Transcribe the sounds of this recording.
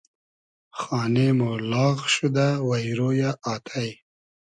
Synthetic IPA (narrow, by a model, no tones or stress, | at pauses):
χɑːnemolɑːɣʃud̪awajɾojaʔɑt̪ʰaj